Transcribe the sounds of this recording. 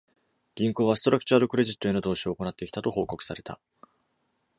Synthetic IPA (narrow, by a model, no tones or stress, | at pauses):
ɡ̥ʲĩŋko̞ːβasɨ̥t̪o̞ɾakɯ̥t͡ɕuaɾɯkɯ̟ɾe̞ʑit̪ːoenod̪o̞ːɕio̞ːko̞nat̪ːekʲi̥t̪at̪o̞ho̞ːko̞kɯ̟̥saɾe̞t̪a̰